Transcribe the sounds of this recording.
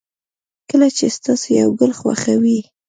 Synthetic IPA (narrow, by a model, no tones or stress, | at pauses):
kəlat͡ʃest̪ɑsoja̰wɡəlxwa̰xawi